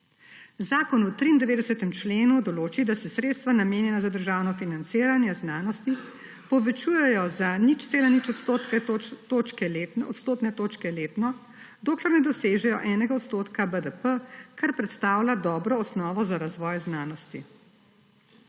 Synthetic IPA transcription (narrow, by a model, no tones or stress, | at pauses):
zaːkɔnut̪ɾiːnd̪ɛʋeːd̪ɛsət̪ɛmt͡ʃleːnud̪ɔloːt͡ʃid̪asɛsɾeːt̪st̪ʋanameːnjɛnazad̪əɾʒaːwnɔfinant̪siːɾanjɛznaːnɔst̪i | pɔʋɛt͡ʃuːjɛjɔzanit͡ʃt̪seːlanit͡ʃɔt̪ot̪kt̪oːt͡ʃkɛleɔ̰t̪st̪oːt̪nɛt̪oːt͡ʃkɛleːt̪nɔ | d̪oːklɛɾnɛd̪ɔseːʒɛjɔ̰ʔɛːnɛɡaɔt̪st̪oːt̪kabəd̪əpəkaɾpɾɛt̪st̪aːwlad̪ɔːbɾɔːsnɔːʋɔzaɾazʋɔːjznaːnɔst̪ḭ